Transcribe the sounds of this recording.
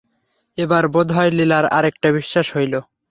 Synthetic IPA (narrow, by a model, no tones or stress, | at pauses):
ebaɾbod̪ʱajlelaɾa̰ɾek̚ʈabiʃːaʃɦojlo